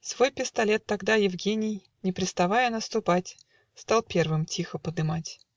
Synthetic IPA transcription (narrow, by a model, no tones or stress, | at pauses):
svo̞jpʲɪst̪ɐlʲet̪ːɐɡd̪ajɪvɡʲenʲɪj | nʲɪpɾʲɪt̪st̪ɐvajənəst̪ʊpatʲ | st̪alˠpʲe̞rvɨmtʲixəpəd̪ɨmatʲ